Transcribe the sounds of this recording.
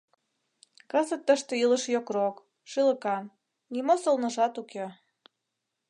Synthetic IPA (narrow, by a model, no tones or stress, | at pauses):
kəzə̆t̪ːəʃt̪ĕilə̆ʃjokrok | ʃɯlə̆kɑm | nimosə̆lnə̆ʒɑt̪uke